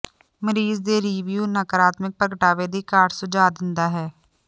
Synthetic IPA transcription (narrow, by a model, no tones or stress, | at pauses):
məɾiːzd̪eɾiːʋjuːnəkəɾaːt̪mɪk̚pɾəɡəʈaːʋeːd̪ikaːʈsʊd͡ʒaːd̪ɪ̃nd̪aːɦɛː